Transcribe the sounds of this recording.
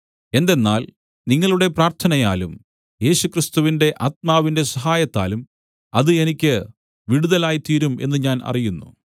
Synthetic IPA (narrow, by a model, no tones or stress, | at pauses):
e̞nd̪e̞nːaːl | niŋːɐɭuɽe̞praːrt̪ʰɐnɐjaːlum | je̞ːɕukrist̪uʋinde̞ʔaːt̪̚maːʋinde̞sɐɦaːjɐt̪ːa̰ːlum | ɐðɨe̞nikʲːɨ | ʋiɽuðɐlaːjit̪iːɾume̞̰nːɨɲaːnɐ̰rijunːṵ